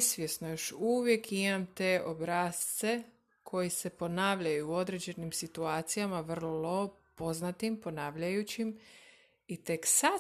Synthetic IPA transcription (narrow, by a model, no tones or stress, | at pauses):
sʋje̞snojo̞ʃuʋje̞kʰimamt̪eːʔobɾaːst̪se̞ | kʰo̞jise̞po̞naːʋʎajuːo̞d̪ɾe̞d͡ʑe̞nimsit̪uaːt̪sijamaʋr̩lllo̞ | po̞znat̪impo̞naːʋʎajut͡ɕim | it̪e̞ksa